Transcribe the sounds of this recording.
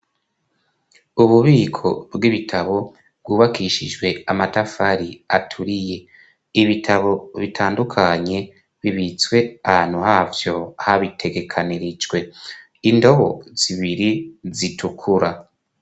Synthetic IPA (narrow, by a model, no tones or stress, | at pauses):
uβuβiːkʰo̞bɡiβitʰaβo̞ | bɡuːβakiʃid͡ʒɡwe̞amatafaɾiatʰuɾije̞ | iβitʰaβo̞βitʰaːndukʰaɲe̞ | βiβit͡swe̞ahaːn̥huhaːvjo̞haβitʰe̞ɡe̞kʰaniɾid͡ʒɡwe̞ | indo̞βo̞̰z̥iβiɾizitʰukʰuɾa